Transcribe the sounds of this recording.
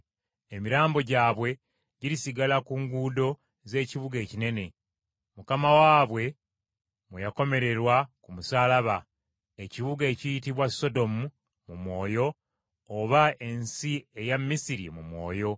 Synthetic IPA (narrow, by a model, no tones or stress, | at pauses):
emiɾaːmbo̞ɟaːβwe̞ | ɟiɾisiɡalakuːŋɡuːdo̞ | ze̞ːciβuɡe̞ːcine̞ne̞ | mukamawaːβwe̞ | mwejako̞me̞ɾe̞ɾwakumusaːlaβa | e̞ciβuɡeːcijitiβwaso̞do̞mu | mumwo̞ːjo̞ː | βae̞nsie̞jamːisiɾḭmumwo̞ːjo̞